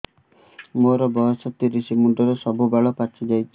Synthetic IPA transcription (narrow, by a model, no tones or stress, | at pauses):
moɾɔbɔɦɔsɔt̪ːiɾisimuɳʈɔɾɔsɔbubaɭɔpat͡ʃʰid͡ʒajt͡ʃʰi